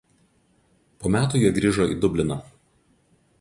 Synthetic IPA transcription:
poːmʲæːt̪uːjɛɡɾʲiːʒoḭːd̪ʊbʲlʲɪnɐː

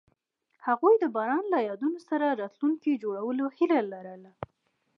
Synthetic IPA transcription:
haɣujd̪əbɑɾɑnlajɑd̪unosaɾaɾɑt̪luŋkid͡ʒoɽawəlohilalaɾəla

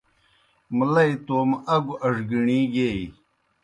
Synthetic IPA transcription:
mlɐjt̪oːmɐɡuɐʐɡiɳĩːɡej

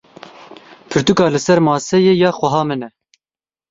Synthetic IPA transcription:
pʰɨɾt̪ukɑːlɨsɛɾmɑːsɛjeːjɑːxwɛɦɑːmɨnɛ

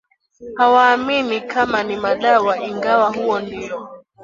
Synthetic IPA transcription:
hawaːminikʰamanimaɗawaʔiŋɡawaɦuwɔndiɔ

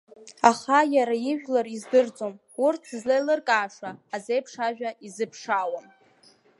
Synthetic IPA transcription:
aχajaɾaiʒᶣlarizdɨrd͡zʼo̞m | urtʰzlejlɨrkʼaːʂaːzejpʰʂaʒᶣaizɨpʰʂaːwam

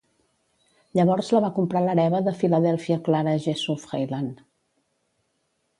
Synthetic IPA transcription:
ʎəβɔɾzləβakumpɾaləɾɛβəðəfiləðɛlˠfiəklaɾəʒesufɣejlan

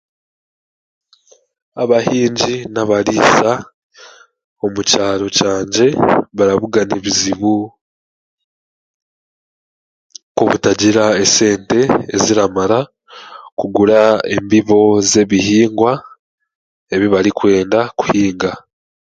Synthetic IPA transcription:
aβahiːɲɟinaβaɾiːsa | o̞mucaːɾo̞caːɲɟe̞βaɾaβuɡaneβiziβu | koβutaɟiɾae̞se̞ːnte̞ːziɾamaɾa | kuɡuɾae̞̰mbiβo̞ze̞βihiːŋɡwa | e̞βiβaɾikwe̞ːndaku̥hiːŋɡa

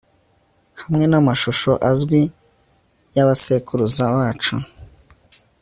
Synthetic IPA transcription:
hamŋe̞namaʃoʃo̞ʔazɡwi | jaβasekuɾuzaβaːt͡ʃu

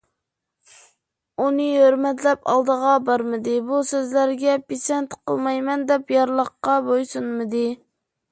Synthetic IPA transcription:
unɨɦøɾmɛt̪lɛpɑ̰lˠd̪əʁɑbɑɾmɨd̪ɨbusøzlæɾɡʲɛpisɛnt̪qʰə̰lˠmɑjmɛnd̪ɛpjɑɾlˠəqːɑbojsunmɨd̪ɨ

